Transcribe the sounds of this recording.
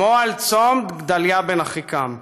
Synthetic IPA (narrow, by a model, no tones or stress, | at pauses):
oalt͡somd̪ɡd̪aljabenaχikam